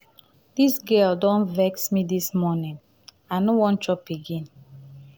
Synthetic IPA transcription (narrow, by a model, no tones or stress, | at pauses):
d̥isɡɛldɔ̃nvɛksmidismɔnĩŋ | anowɔ̃ntɹɔpiɡĩn